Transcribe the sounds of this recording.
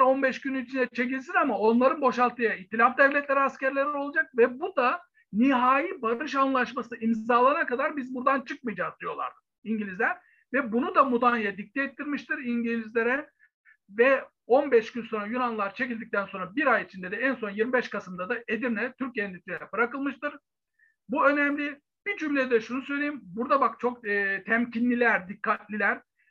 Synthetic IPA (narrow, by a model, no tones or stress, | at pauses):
ɾo̞nbɛʃɟynyit͡ʃʰind̪ɛt͡ʃʰe̞c̬ilʲs̬inamao̞nlˠaɾɯnbo̞ʃalˠt̪ʰɯjait̪ʰːilʲafd̪ɛvlʲɛt̪lʲeɾiascæɾlʲeɾio̞lˠad͡ʒak̚vɛbud̪a | niɦaːjibaɾɯʃ̬anlˠaʃmasɯʔimaːlˠaɾakad̪aɾbizbuɾd̪ant͡ʃʰɯk̚mɯjd͡ʒazd̪ijo̞lˠa̰ɾd̪ | iɲɟilʲizlʲæɾ | vɛbunud̪amud̪anjad̪ic̚t̪ʰːɛɛt̪ʰːiɾmiʃt̪iɾiɲɟilʲizlʲe̞ɾɛ | vɛ | o̞nbɛʃkynso̞nɾajunanlˠaɾt͡ʃʰe̞cilʲd̪ic̚t̪ʰænso̞nɾabiɾajit͡ʃʰind̪ɛd̪ɛænso̞njiɾmibɛʃkʰasɯmd̪ad̪aʔed̪iɾnʲɛt̪ʰyɾcjɛnʲit̪ʰʲiɛbɯɾakɯlˠmɯʃt̪ɯɾ̥ | buø̞nɛmlʲi | bid͡ʒymlʲɛd̪ɛʃunusø̞jlʲejimbuɾd̪abakt͡ʃʰo̞k̚ːt̪ʰɛmcʰinlʲilʲæɾd̪ikʰːat̪lʲilʲæɾ̥